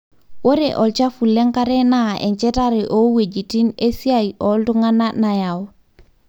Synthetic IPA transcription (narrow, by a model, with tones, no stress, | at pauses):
wo˦ɾeʔo˨lt͡ʃa˦fu˨lːe˦ŋkaɾe˦naḛ˨ɲt͡ʃe˦taɾeʔowe˨d͡ʒi˨ti˦nesi˦ajʔolduŋa˦nanajaw